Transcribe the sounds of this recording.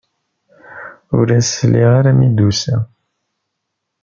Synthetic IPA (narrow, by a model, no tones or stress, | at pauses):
ʊ̰ɾæsliʁaɾæmid̪usæ